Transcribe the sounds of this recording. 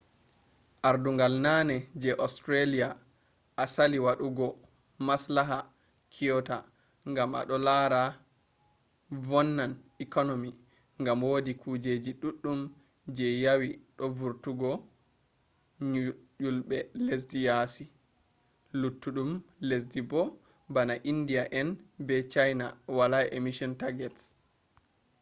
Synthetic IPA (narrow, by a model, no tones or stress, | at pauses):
ʔaɾduŋɡalnanɛd͡ʒɛʔɔstɾelija | ʔasaliwaɗuɡɔ | maslaɦa | kʰijɔta | ŋɡama̰ɗɔlaɾa | vɔnːanikɔnomi | ŋɡamwoːdikʰuːd͡ʒed͡ʒiɗuɗːum | d͡ʒɛjawiɗɔvuɾtuɡɔ | ulɓɛles̬dijasi | lutːuɗumles̬dibɔ | banaʔindijaʔɛnbɛt͡ʃajnawalajʔemisɔntaɡɛts